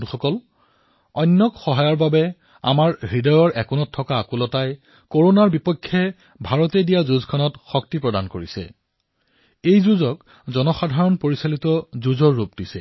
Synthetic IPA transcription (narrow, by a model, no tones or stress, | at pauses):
nuxɔkɔl | ɔjnːɔkxɔɦajɔɹbabɛ | a̰maɹɦɹidɔjɔɹʔɛkunɔtʰːɔkaːkulɔtaj | koɹonaɹbipɔkʰːɛ | bʱaɹɔtedijazuzkʰɔnɔtxɔk̚tipɹɔdankoɹisɛ̰ | ejzuzɔk | zɔnɔxadʱaɹɔnpoɹisalitɔzuzɔɹːupdisɛ̰